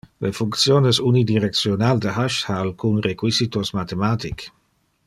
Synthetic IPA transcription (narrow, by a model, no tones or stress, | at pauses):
lefuŋkt̪sjoːnesunid̪iɾek̪̚sjonald̪əɦaʃhaːlkunrekwisit̪osmat̪emaːt̪ik